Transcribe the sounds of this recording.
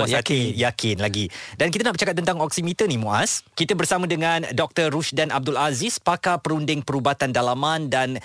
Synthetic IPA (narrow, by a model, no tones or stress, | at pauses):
jajakʰɪnlaɡidankit̪anaʔbərt͡ʃakat̪̚ːənt̪aŋɔksimit̪ənihmũʔa̰skit̪abərsamãdəŋãndɔk̚t̪ərːuʃdanab̚dʊlazispakapəɾundɪŋpəɾubat̪andalamãndan